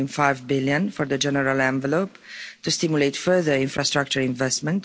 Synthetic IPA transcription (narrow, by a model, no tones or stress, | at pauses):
ĩnfajvbiljə̃nfɔɹðəd͡ʒɛnəɾalɛ̃ɱvəlopt̪ustimjulejtfə˞ðəɹĩnfɹast̪ɾak̚t͡ʃəɹĩɱvɛstmə̃nt